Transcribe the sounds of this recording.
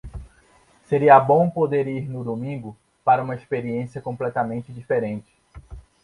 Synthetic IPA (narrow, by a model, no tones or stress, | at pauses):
seɾiɐbõw̃pod̪eɾiɾnʊd̪omĩŋɡʊ | paɾɐũmɐespeɾiẽsijɐkõplɛt̪ɐmẽnt͡ʃɪd͡ʒifeɾẽnt͡ʃɪ̥